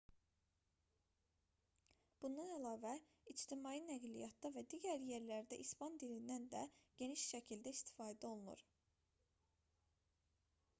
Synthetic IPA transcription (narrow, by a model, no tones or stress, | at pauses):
b̥und̪ɑnælɑːvæ | id͡ʒt̪ʰimɑjinæɡlijɑt̪d̪ɑvæd̪iːɟæɾje̞ɾlæɾd̪æʔispɑnd̪ilind̪ænd̪æɟ̥e̞niʃʃæcʰild̪æist̪ʰi̥fɑːd̪æo̞lˠunṵɾ